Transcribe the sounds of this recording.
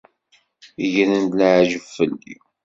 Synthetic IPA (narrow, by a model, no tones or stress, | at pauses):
ʝənənd̪laʕʒəfːəlːḭ